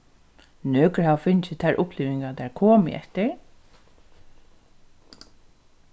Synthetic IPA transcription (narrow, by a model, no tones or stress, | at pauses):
nøːkɹhawfɪnt͡ʃɪt̪ʰæɹʔʊpliːʋɪŋɡat̪ɛɹkʰɔːmɪ̰ʔɛ̰ht̪ɪɹ